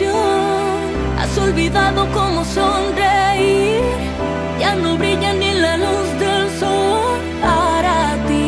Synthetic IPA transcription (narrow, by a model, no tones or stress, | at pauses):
o | a̰solβiðaðokomosondeiɾ | janõβɾiʎanẽlaluzd̪elso | paɾat̪i